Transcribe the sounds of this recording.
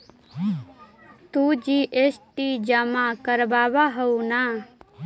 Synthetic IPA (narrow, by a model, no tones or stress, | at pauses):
t̪ud͡ʒiʔesʈid͡ʒəmakəɾbaːbaɦɐuna